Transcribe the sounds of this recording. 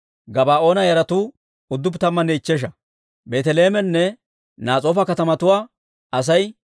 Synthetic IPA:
ɡɐbaːo̞ːnɐjɐɾɐt̪uː | ʊd̪ːʊpt̪ɐmːɐnɛɪt͡ʃːɛʃ̬ɐ | be̞ːt̪ɛle̞ːmɛnːɛ | naːt͡sʼo̞ːfɐkɐt̪ɐmɐt̪ʊwaː | ɐs̬ɐj

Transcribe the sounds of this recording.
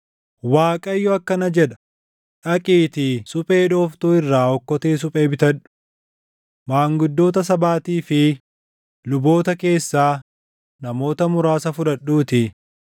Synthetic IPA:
waːkʼɐɪjːɔɐkːɐnɐd͡ʒɛᶑɐ̥ | ᶑɐkʼiːt̪ɪsʼʊpʼe̞ːᶑoːft̪uːɪrːaːɔkːɔt̪eːs̬ʊpʼeːbɪt̪ɐᶑʊ̥ | maːŋɡʊd̪ːo̞ːt̪ɐs̬ɐbaːt̪iːfɪ | lʊbo̞ːt̪ɐke̞ːsːaː | nɐmo̞ːt̪ɐmʊɾaːsɐfʊᶑɐɗuːt̪ɪ

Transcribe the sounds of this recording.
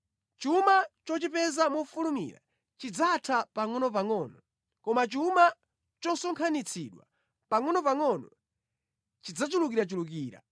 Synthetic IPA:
t͡ʃumat͡ʃɔt͡ʃipɛzamufulumḭɾa̰ | t͡ʃid͡zatʰapaŋɔnɔpaŋɔːnɔ | kɔmat͡ʃiuma | t͡ʃɔsɔŋkʰanit͡sʰiɗwa̰ | paŋɔnɔpaŋɔnɔ | t͡ʃid͡zat͡ʃulukiɾat͡ʃulukiːɾa̰

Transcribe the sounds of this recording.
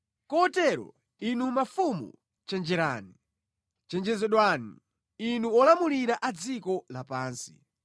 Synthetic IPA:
kɔtɛɾɔ̰ | inumafumṵ | t͡ʃɛnd͡ʒɛɾaːni | t͡ʃɛnd͡ʒɛzɛɗwani | inuɔlamuliɾaʔad͡zikɔlapaːnsi̥

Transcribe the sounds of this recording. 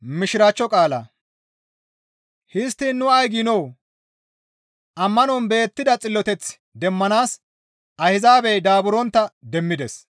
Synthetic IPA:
mɪʃɪɾaːt͡ʃːɔkʼaːlɐ̰ | hɪst̪ːinːʊɐjɡinɔw | ʔɐmːɐnɔnbe̞ːt̪ːɪd̪ɐt͡sʼɪlːɔt̪ɛt͡s | d̪ɛmːɐnaːs | ʔɐhɪzaːbɛjd̪aːbʊɾɔnt̪ːɐd̪ɛmːɪd̪ɛs

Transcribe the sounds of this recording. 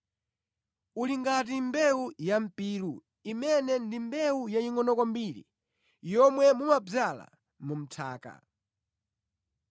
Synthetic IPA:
uliŋɡatimbɛujam̩piːɾu | imɛnɛndimbɛujaiŋɔnɔkɔmbiɾḭ | jɔmwɛmumab͡ʐala̰ | mum̩tʰa̰ːka̰

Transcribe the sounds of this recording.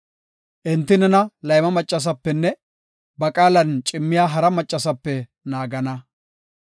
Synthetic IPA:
ʔɪnt̪ːɪnɛnɐlɐjmɐmɐt͡ʃʼːɐs̬ɐpːɛnːɛ | bɐkʼaːlɐnt͡ʃʼɪmːɪjaːɦɐɾɐmɐt͡ʃʼːɐsɐpːɛ | naːɡɐnɐ

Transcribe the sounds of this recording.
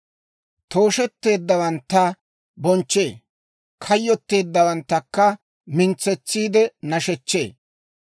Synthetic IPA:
t̪o̞ːʃɛt̪ːe̞ːd̪ːɐwɐnt̪ːɐ | bɔnt͡ʃːe̞ː | kʰɐjːɔt̪ːe̞ːd̪ːɐwɐnt̪ːɐkːɐ | mɪnt͡sːɛt͡sːiːd̪ɛnɐʃɛt͡ʃːe̞ː

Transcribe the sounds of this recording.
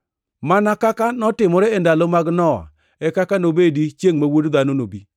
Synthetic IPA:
manakakanɔtɪmɔɾɛɛndalomaɡnɔ̰ | ɛkakanobedit͡ʃjeŋmawodd̪anonobi

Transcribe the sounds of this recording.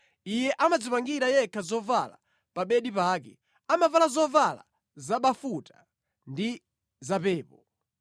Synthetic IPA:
ijɛʔamad͡zipaŋɡiɾajɛkʰazɔvala̰ | paɓɛɗipaːkɛ | amavalazɔvala̰ | zaɓafuta | ndi | zapɛːpɔ

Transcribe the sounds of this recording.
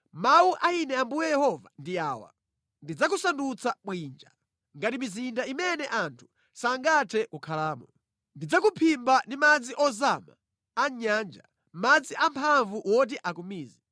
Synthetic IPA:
mauʔainɛambujɛjɛhɔva̰ndiaːwa̰ | ndid͡zak̬usandut͡sʰaɓwiːnd͡ʒa | ŋɡatimizindaimɛnɛʔantʰu̥ | saŋɡatʰɛʔukʰalaːmɔ | ndid͡zakupʰimbandimad͡ziʔɔzama̰ | aɲaːnd͡ʒa | mad͡ziʔampʰaɱvuwɔt̬iʔakumiːzi

